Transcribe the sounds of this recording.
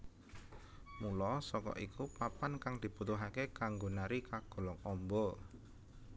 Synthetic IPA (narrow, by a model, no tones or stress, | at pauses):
mulɔsɔkɔ̰ʔikupapankaŋd̪̥i̤put̪uɦakekaŋɡo̤naɾikaɡ̥ɔ̤lɔŋɔmbɔ